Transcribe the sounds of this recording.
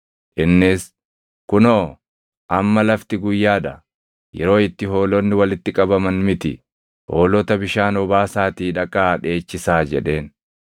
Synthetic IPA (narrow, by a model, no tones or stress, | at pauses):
ʔɪnːɪs | kʊnoː | ʔɐmːɐlɐft̪ɪɡʊjːaːᶑɐ | jɛ̰ɾo̞ːɪt̪ːɪɦo̞ːlɔnːɪwɐlɪt̪ːɪkʼɐbɐmɐnmɪt̪ɪ̰ | ho̞ːlɔt̪ɐbɪʃaːnɔbaːsaːt̪iːᶑɐkʼːaːᶑe̞ːt͡ʃːɪsaːd͡ʒɛᶑe̞ːn